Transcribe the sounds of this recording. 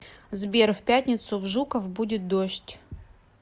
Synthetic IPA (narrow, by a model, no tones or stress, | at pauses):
zbʲerfʲpʲætʲnʲɪt̪sʊvʐukəfbudʲɪt̪̚d̪oʂtʲ